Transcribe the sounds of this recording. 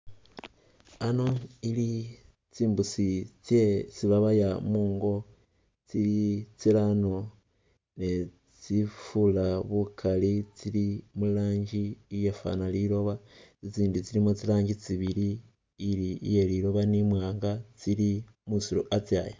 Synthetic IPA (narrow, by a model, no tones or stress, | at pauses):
ano̞ili | t͡siːmbusit͡sjet͡siβaβajamuːŋɡo̞ | t͡siɾit͡silano | ne | t͡sifulaβukʰalit͡silimulaːɲɟiːjefa̰naliɾo̞βat͡sit͡siːndit͡siɾimot͡silaːɲɟit͡siβiɾiː | ɾḭjeliɾo̞βanimwaːŋɡat͡sili | musiɾṵʔat͡sjaja